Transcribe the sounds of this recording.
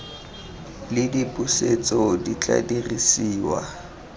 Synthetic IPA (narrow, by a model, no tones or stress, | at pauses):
lɪdipʼuset͡sʼɔdit͡ɬʼa̰dirisiːwa̰